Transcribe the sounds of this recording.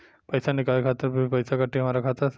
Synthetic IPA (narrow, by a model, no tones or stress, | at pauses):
pəjsanikalkʰat̪əɾbpəjsakaʈiɦɐmaɾakʰat̪əɾ